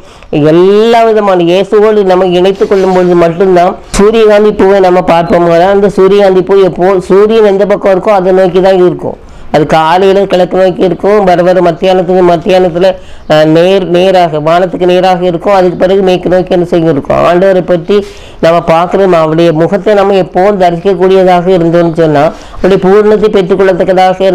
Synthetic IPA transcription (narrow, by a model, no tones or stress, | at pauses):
ɛlːaːʋɪðɐmaːnɐjeːsɯɣɐːɭnɐmːɐɪɳɐɪt̪ːɯkːɔɭːɯmbɔɻɯðɯmɐʈːɯnd̪ãːsuːɾɪjɐɣaːnd̪ipːuːʋeːnɐmːɐpaːɾpɐmŋɡɐðãɐnd̪ɐsuːɾɪjɐɣaːnd̪ipːuːjɛpːoːsuːɾɪjɐnɛnd͡ʒ̪ɐpɐkːɐ̃ɪɾɯkːʊ̃ɐðɐnoːjɪk̬ːɯt̪ãːɪɾɯkːʊ̰̃ | ɐðɯkːaːlɐjɐlɐkɪɭɐkːɯnoːjɪkːɯɪɾɯkːʊ̃bɐɾɐʋɐɾmɐt̪ːɪjaːnɐt̪ːɯkːɯmɐt̪ːɪjaːnɐt̪ːɪlɐ | neːɾneːɾaːɣɐʋaːɳɐt̪ːɯkːɯneːɾaːɣɐɪɾɯkːʊ̃ɐðɯkːɯpːɪɾɐɣɯmeːkːɯnoːjkːɯɛnːɯsɛjɡɪɾɯkːʊ̰̃a̰ːɳɖɐʋɐɾɐɪpːɐʈːi | nɐmːɐpaːɾkɯɾɐmaːʋɐɽɐjɐmʊɣɐt̪ːenɐmːɐɛpːoːʋɯmd̪ɐɾɪsɪkːɐk̬ːuːɽɪjɐðaːɣɐɪɾɯnd̪onːɯsɔnːaː | ɐʋɐɽɐjɐpuːɾɳɐt̪̬ːɐɪpɛʈrɯkːʊɭːɐt̪ːɐkːɐðaːɣɐ